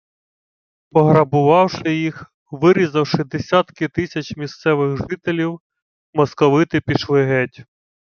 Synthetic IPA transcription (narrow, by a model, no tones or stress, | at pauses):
pɔɦɾɐbʊʋɑwʃɪjix | ʋɪɾʲizɐwʃɪd̪e̞sʲat̪kɪt̪ɪsʲɐt͡ʃʲmʲist̪sɛʋɪxʒɪt̪elʲiw | mɔskɔʋɪt̪ɪpʲiʃlˠɪɦɛtʲ